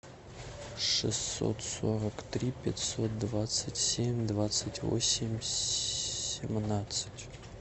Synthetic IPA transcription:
ʂɨsːo̰t̪soɾəkt̪ɾʲipʲɪtʲsot̪̚d̪vat̪sɨtʲsʲemʲd̪vat̪sɨtʲvo̰sʲɪmʲ | sʲɪmnat̪sɨ̥tʲ

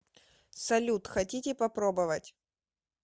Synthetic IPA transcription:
sɐlʲut̪xɐtʲitʲɪpɐpɾobəvətʲ

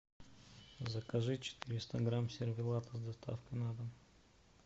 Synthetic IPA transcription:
zɐkɐʐɨt͡ʃɛ̥t̪iɾʲɪst̪aɡɾamsʲɛɾvʲilˠat̪əzd̪ɐst̪a̰fkənad̪əm

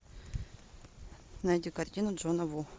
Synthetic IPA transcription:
najdʲikɐrt̪ʲinʊʐonɐvu

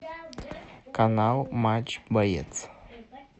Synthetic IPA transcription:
kanawmat͡ʃbɐjḛt̪t͡s

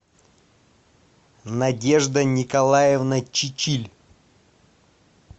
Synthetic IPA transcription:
nɐdʲeʐd̪ənʲɪkɐlˠajɪvnət͡ɕɪt͡ɕilʲ

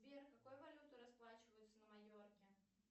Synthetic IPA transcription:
bʲerkɐkojvɐlʲut̪ʊɾɐsplˠat͡ɕɪvəjʊt̪sənəmɐjʲorkʲɪ

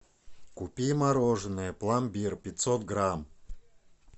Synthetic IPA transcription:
kupʲimaɾoʐɨnɨjəplˠambʲirpʲɪt̪sot̪ɡɾam

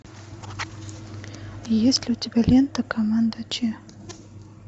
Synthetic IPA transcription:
jesʲlʲɪʊtʲɪbʲælʲent̪əkɐmand̪ət͡ɕe

